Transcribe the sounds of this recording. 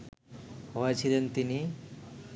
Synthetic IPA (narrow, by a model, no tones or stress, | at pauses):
ɦɔet͡ʃʰilent̪ini